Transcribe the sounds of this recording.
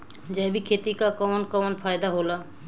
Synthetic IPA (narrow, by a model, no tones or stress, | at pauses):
d͡ʒɛbikʰet̪ikakɔnkɔnpʰajd̪aɦola